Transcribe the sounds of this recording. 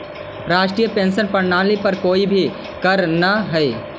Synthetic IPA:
ɾaːʃʈɾijəpẽːnsənpɐɽnaːlipɐɾkoːibʱi | kɐɾnaɦɛe

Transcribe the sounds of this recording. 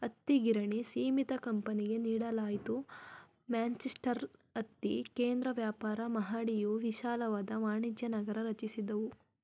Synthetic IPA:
ɐt̪ːiɡiɾɐɳisiːmit̪ɐkɐmpɐniɡe̞niːɽɐlaːjit̪u | mjaːnt͡ʃesʈɐɾɐt̪ːikeːnd̪ɾɐʋjaːpaːɾɐmɐɦaːɽijuʋiʃaːlɐʋaːd̪ɐʋaːɳid͡ʒjɐnɐɡɐɾɐɾɐt͡ʃisid̪ɐʋu

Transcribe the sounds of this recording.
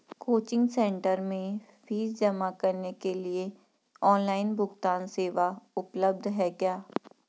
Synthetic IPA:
koːt͡ʃɪ̃ŋɡsɛ̃ːɳʈəɾmẽ | fiːzd͡ʒɐmakɐɾnekelie | ɔːnlaːɪnbʱʊɡt̪aːnseːʋaʊpləb̚d̪ʱɦɛːkjaː

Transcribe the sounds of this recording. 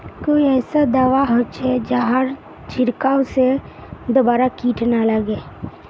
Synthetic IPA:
koːiɛːsad̪aːʋaɦot͡ʃʰɛd͡ʒaɦaɾ | t͡ʃɪɾkaːwse | d̪obaːɾakiːʈʰnaləɡeː

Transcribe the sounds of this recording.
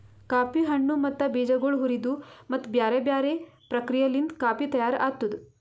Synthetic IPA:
kaːpiɦɐɳːumɐt̪ːɐbiːd͡ʒɐɡoɭɦuɾid̪umɐt̪ːbjaːɾebjaːɾepɾɐkɾijɐlind̪kaːpit̪ɐjaːɾa̰ːt̪ːud̪u

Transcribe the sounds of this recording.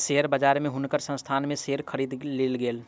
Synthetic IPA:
seɦəɾbəd͡ʒaːɾmẽɦʊnkəɾsə̃st̪ʰaːnmẽseːɾkʰəɾiːd̪leːlɡeːl

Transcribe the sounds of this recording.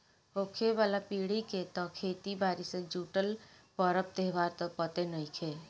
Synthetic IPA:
ɦoːkʰeʋaːlapiːɽiket̪ɔkʰeːt̪ibaːɾised͡ʒuːʈəlpɔɾəp̚t̪eɦʋaːɾt̪ɔpət̪enəikʰeː

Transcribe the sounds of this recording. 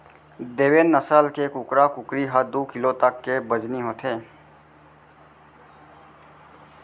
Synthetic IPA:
d̪eːweːnːəsəlkekʊkɾakʊkɾiɦəd̪oːkɪlot̪əkːebəd͡ʒniɦoːt̪ʰeː

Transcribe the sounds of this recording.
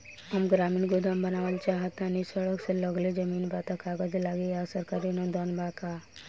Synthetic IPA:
ɦəmɡɾaːmiːnɡʊd̪ʱambənaːʋəlt͡ʃaːɦət̪ãnisəɽəkseləɡled͡ʒəmiːnbat̪akʰaɡəd̪elaːɡeasəɾkaɾinod̪ɔːnbʱaka

